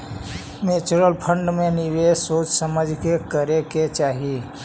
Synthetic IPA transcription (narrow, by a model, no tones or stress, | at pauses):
meːt͡ʃʊɾəlpʰə̃ɳɖmẽnɪʋesoːt͡ʃsəməd͡ʒʱkekəɾeket͡ʃaːɦi